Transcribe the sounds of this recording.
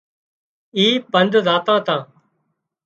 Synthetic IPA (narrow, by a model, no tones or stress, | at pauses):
iːpənd̪zaːt̪ãːt̪ãː